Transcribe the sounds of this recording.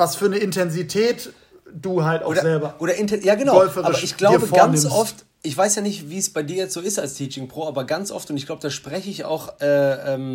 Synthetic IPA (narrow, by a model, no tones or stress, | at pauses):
vasfyːɐnəɪntʰɛnzitʰɛːt | d̥uːɦalta̰oːdɐɛlbɐʔoːɾɐʔɪntɛjaːɡənaʊɔfəʁaːɪɐʃɪçɡ̥laːɐbəfɡannɪsɔft | ʔɪçv̥aɪsjaːnɪçtviːsb̥aɪdiːɐjɛt͡stz̥oːɪstalstʰiːt͡ʃɪŋpʁ̥oːaːbɐɡant͡sʔɔ̰ftʊntɪçɡ̥laʊbəd̥aːʃpʁ̥ɛçəɪça̰ʊxʔɛːʔɛːm